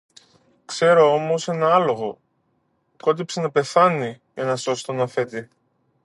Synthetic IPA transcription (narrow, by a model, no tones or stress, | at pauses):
kse̞ɾo̞o̞mo̞se̞nɐɐlo̞ɣo̞ | ko̞t̪̬ipsenɐpe̞θɐni | ʝɐnɐso̞si̥t̪onɐθe̞t̪i